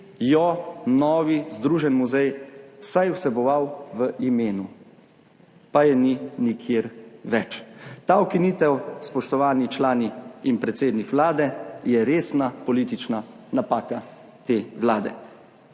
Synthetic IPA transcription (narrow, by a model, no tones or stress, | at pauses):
jɔnɔːʋizd̪ɾuːʒɛnmuzɛjwsajusɛbɔʋawʋəʔimeːnu | pajɛninikʰjeːɾʋɛt͡ʃt̪aːɔkiniːt̪ɛwspɔʃt̪ɔʋaːnit͡ʃlaːniinpɾɛt̪seːd̪nikʋlaːd̪ɛjɛɾeːsnapɔlit̪it͡ʃna | napaːka | t̪eːʋlaːd̪ɛ̰